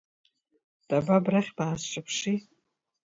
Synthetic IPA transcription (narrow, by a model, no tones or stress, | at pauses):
d̥ʼababraχʲbaːsʂʼapʰʂi